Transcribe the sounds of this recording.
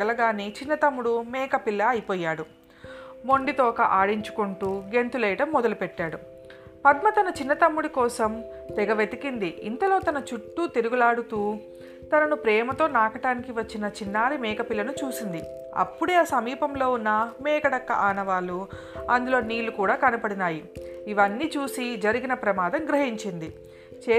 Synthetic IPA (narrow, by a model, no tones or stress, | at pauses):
ɐlɐɡaːneːt͡ʃinːɐt̪ɐmːuɽumɛːkɐpilːɐːjipɔːjːaːɽu | mo̞ɳɖit̪ɔːkɐʔaːɽiɲt͡ʃu̥kuɳʈuːɡe̞nt̪ulɛːjɐʈɐmːɔd̪ɐlupɛʈːaːɽu | pɐd̪mɐt̪ɐnɐt͡ʃinːɐt̪ɐmːuɽikɔːsɐmt̪ɛɡɐʋet̪ikind̪iːnt̪ɐlo̞ːt̪ɐnɐt͡ʃuʈːut̪iɾuɡulaːɽut̪uː | t̪ɐnɐnupɾɛːmɐt̪o̞ːnaːkɐʈaːnikiʋɐt͡ʃːinɐt͡ʃinːaːɾimɛːkɐpilːɐnut͡ʃuːsind̪i | ɐ̰pːuɽe̞ːaːsɐmiːpɐmlo̞ːunːɐmɛːkɐɽɐkːɐ̰ʔaːnɐʋaːlu | ɐnd̪ulo̞ːniːlːukuːɽaːkɐnɐpɐɽinaːjiiʋɐnːiːt͡ʃuːsid͡ʒɐɾiɡinɐpɾɐmaːd̪ɐmɡɾɐɦiɲt͡ʃind̪i | t͡ʃeː